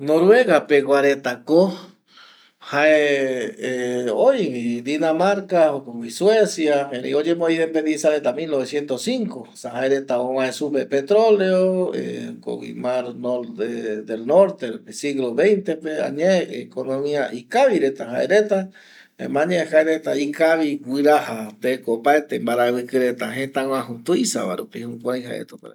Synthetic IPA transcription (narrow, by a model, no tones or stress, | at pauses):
noɾweɣapeɣwaɾet̪ako | hae | eojd̪inamaɾkaokowiswesjaeɾḭod͡ʒemoiðempend̪isaɾet̪amilnoβesjent̪osiŋkosahaeɾet̪aowaesupeɾpet̪ɾoleoḛko̰ɣḭmaɾnoɾed̪elnoɾt̪epesiɣloβejnt̪epea̰ɲeekonõmĩaʔikaβiɾet̪aɦa̰ḛɾet̪a | ḛmãɲẽkaeɾet̪aikaβiwiɾahat̪ekopaet̪embaɾawɨkɨɾet̪aɦet̪aw̃ãɦut̪uisa̰βa̰ɾopihũpajɦa̰ḛt̪opaɾ